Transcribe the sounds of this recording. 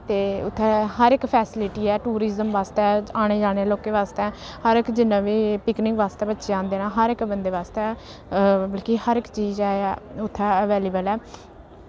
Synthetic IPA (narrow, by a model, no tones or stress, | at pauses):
t̪eːʊt̪ʰːɛːɦəɾɪkpʰɛːsɪlɪʈiːɛːʈuːɾizəmʋaːst̪ɛːaːɽ̃eːd͡ʒaːɽ̃eːloːkeːʋaːst̪ɛːhəɾɪkd͡ʒɪnːãːʋiːpɪknɪŋkʋaːst̪eːbətːʃeãːnd̪eːnãːɦəɾɪkbənd̪eːʋaːst̪ɛː | bəlkihəɾɪkt͡ʃiːzaːʊt̪ʰːɛːəʋeːliːbəlɛː